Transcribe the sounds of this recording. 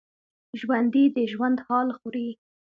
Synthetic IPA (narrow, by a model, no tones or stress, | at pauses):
ʒwand̪id̪əʒwand̪hɑlxuɾi